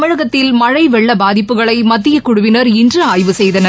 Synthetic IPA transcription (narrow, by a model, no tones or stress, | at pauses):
mɐɻɐɣɐt̪ːɪlmɐɻɐɪʋɛɭːɐbaːðɪpːɯɣɐɭɐɪmɐt̪ːɪjɐkʊɽʊʋɪnɐɾɪndrɯaːjʋɯsɛjðɐnɐ